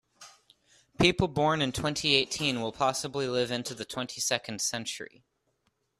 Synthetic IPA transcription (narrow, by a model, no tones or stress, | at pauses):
pʰipl̩ˠbɔɹnɨ̃ntʰw̥ɛ̃ntʰieɪtʰĩnwəlˠpʰɑsəblilɪvɪ̃ntʉðɨtʰw̥ɛ̃ntʰisɛkɨ̃n̩d̥sɛ̃nt͡ʃə̰˞ḭ